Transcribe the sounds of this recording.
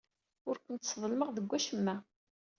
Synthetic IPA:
ʊɾkʷənt̪sðˤəlməʁðəɡʷːæʃəmːæ

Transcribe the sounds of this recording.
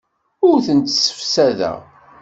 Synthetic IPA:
ʊɾθənt̪sə̥fsæðæ̰

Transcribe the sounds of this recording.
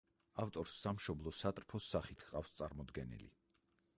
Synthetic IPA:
aft̪ʼɔɾsːamʃɔblˠɔsat̪ʼɾpʰɔsːaχit̪ʰqʼafst̪sʼaɾmɔd̪ɡɛnḭlḭ

